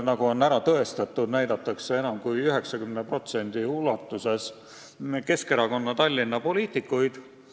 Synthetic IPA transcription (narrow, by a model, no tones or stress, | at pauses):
nɑɡ̥uo̞næɾɑt̪ɤe̞st̪ɑt̪ːˑud̪̥næjd̪̥ɑt̪ːˑɑkse̞e̞nɑmkujyɦe̞ksɑkymnepro̞t̪se̞nʲd̪̥iulɑt̪ːˑuse̞s | ke̞ske̞ɾɑko̞nːɑt̪ɑlʲːinːɑpo̞liːt̪ˑikːujd̪̥